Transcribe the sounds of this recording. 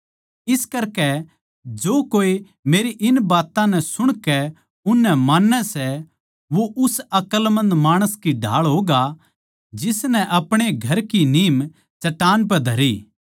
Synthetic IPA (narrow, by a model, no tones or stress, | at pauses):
ɪskɐɾkɛ | d͡ʒoːkoːi | meːɾiʔɪnbaːt̪ãnɛ̃sʊɽ̃kɛ | ʊnːɛmãːnːɛsɛ | ʋoʔʊsɐkəlmɐ̃nd̪maːɽ̃əskiɖʱa̰ːɭɦoːɡa | d͡ʒɪsnɛ̃ʔɐpɽ̃eɡʱɐɾkiniːm | t͡ʃɐʈaːnp̬ɛd̪ʱɐɾiː